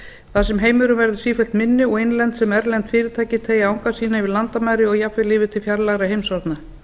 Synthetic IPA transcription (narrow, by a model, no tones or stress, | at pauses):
θas̬ɛmɦeːjmʏɾʏmvɛɾðʏsiːfɛl̥t̪mɪnːɪɔɣejnlɛnt̪sɛmɛɾlɛnt̪fɪːɾɪt̪ʰaːjcɪt̪ʰeːjaawŋkasiːnavɪðlant̪amaːjɾɪɔɣjafvɪlɪːvɪt̪ʰɪlfjaɾlaɣɾaɦejmsɔɾt̪na